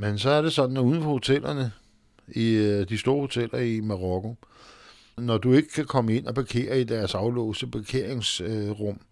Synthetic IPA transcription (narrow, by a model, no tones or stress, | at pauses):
mensɒ̽æɐɾe̝sɒ̽d̥n̩uːð̞ˠn̩fɒ̽ho̝t͡sʰel̰ɐnə | id̥isd̥o̝ːɐho̝t͡sʰel̰ɐimɑ̈ʁɒkʰo̝ | nɒd̥ue̝ɡ̥əkʰækʰɒ̽məe̝n̰ɒb̥ɑ̈kʰe̝̰ːɐid̥æɐsɑ̈ʊlɔ̰ːʊsəb̥e̝kʰe̝ɐ̰eŋsʁɔm̰